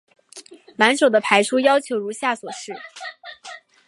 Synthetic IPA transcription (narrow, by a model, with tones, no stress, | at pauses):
ma˧˥nʂo˨˩ʊd̪ə˦pʰa˧˥ɪʂʰu˥jɑ˥ʊt͡ɕʰjo˧˥ʊɻu˧˥ɕja˥˩swɔ˨˩ʂɻ̩˥˩